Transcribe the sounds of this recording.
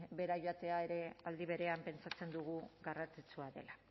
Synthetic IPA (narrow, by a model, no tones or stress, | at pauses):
be̞ɾaʝoat̪e̞ae̞ɾe̞ald̪iβ̞e̞ɾe̞ampe̞nt͡sat͡se̞nd̪uɣ̞uɣarat͡sit͡suaðe̞la